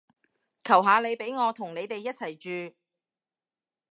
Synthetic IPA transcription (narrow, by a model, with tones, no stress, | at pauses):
kʰɐ˨˩wɦaː˨˧le˨˧jpe˨˥jŋɔː˨˧t̪ʰʊ˨˩ŋne˨˧jt̪e˨jːɐ˥t̚t͡sʰɐ˨˩jt͡ʃyː˨˧